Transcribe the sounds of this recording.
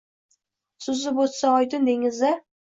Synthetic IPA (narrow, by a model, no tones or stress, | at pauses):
sʊzɪbot̪saɒjt̪ɪnd̪eŋɪzd̪a